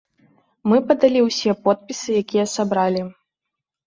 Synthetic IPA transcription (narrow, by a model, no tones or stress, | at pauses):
mɨpɐd̪alʲiwsʲɛpɔt̪̚pʲisɨjakʲijɐsabɾalʲi